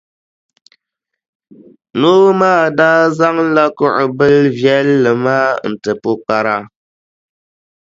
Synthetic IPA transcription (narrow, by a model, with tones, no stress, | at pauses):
noː˦maː˦˨daː˦za˦ŋ˦la˦kʊ˦ʔʊ˨bɨ˦lvjɛ˦lːɨ˨maː˦n̩˨tɨ˨po˦k͡pa˦ɾa˦